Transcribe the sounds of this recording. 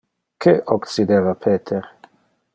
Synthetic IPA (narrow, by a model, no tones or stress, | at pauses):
kʰeʔoksid̪eːvapʰeːt̪ʰeɾ